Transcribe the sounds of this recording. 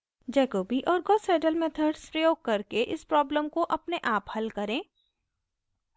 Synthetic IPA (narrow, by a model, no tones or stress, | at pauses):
d͡ʒɛːkoːbiʔɔːɾɡɔːseːʈəlmet̪ʰəɾɖspɾəjoːɡ̚kɐɾkeʔɪspɾɔːbləmkoʔɐpneʔaːphɐlkɐɾẽː